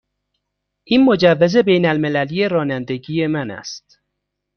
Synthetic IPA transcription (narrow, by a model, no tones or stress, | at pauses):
ʔiːnmo̞d͡ʒævːeze̞be̞jnælme̞lælije̞ɾɒːnænd̪e̞ɟiːje̞mænæ̰st̪